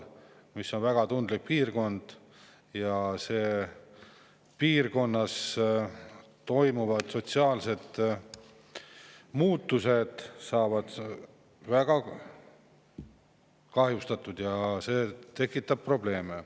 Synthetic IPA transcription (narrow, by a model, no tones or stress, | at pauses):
misːo̞nvæɡ̥ɑt̪und̪lik̚piːrko̞nd̪̥ | jɑseː | piːrko̞nːɑs | t̪o̞jmuvɑd̪̥so̞t̪siɑːlse̞d̪̥ | muːt̪ːˑuse̞d̪̥sɑːvɑd̪̥ | væɡ̥ɑ | kɑɦjust̪ɑt̪ːˑud̪jɑse̞ːt̪e̞kːˑit̪ːˑɑb̥̚pro̞ble̞ːme